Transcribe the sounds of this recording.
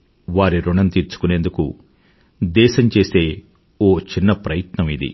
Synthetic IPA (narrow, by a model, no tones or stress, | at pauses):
ʋaːɾiɾuɳɐnt̪iːɾt͡ʃu̥kune̞ːnd̪ukṵ | d̪ɛːʃɐmt͡ʃe̞ːse̞ː | oːt͡ʃinːɐpɾɐjɐt̪nɐmid̪ḭ